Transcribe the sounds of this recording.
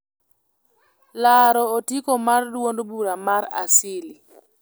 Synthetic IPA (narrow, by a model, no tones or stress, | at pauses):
laɾɔotikomardwondbuɾamaɾa̰sɪli